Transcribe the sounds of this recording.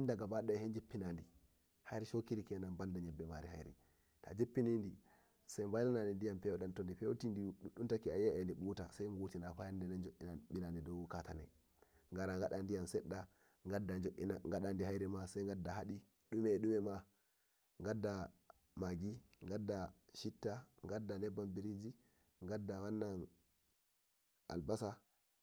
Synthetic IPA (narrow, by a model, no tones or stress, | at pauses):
indaɡabaɗahend͡ʒipːinandi | hajɾɛʃokiɾikɛnanbandaɲɛbːɛmaɾiha̰jɾɛ̰ | ta̰d͡ʒepːinindi | sajmbajlananindijampɛwɔɗantɔndipɛtindiɗuɗuntakiajɛɛndiɓutasajŋɡutinafajandɛnand͡ʒoʔːinaɓilandidɔwkatanɛ | ŋɡaɾaŋɡaɗandijamsɛɗːa | ŋɡadːad͡ʒoʔːinaŋɡaɗandiɦajɾɛmasajŋɡadːahaɗi | ɗumɛɗumɛma | ŋɡadːa | maɡiŋɡadːaʃitːaŋɡadːanɛbːambiɾid͡ʒi | ŋɡadːawanːan | ʔa̰lbasa